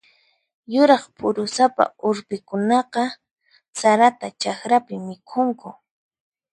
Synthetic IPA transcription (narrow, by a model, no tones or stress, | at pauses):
jʊɾɑχpʰʊɾʊsapa̰ʊɾpɪkʊnɑqɑ | saɾat̪at͡ʃakɾapɪmɪkʰʊŋkʊ